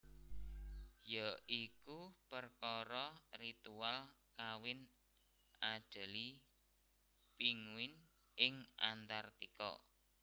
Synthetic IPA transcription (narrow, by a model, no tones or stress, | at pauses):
jaikupərkɔɾɔrit̪ualkawɪn | aɖ̥ə̤li | piŋwɪn | ʔɪŋa̰nt̪art̪ikɔ̰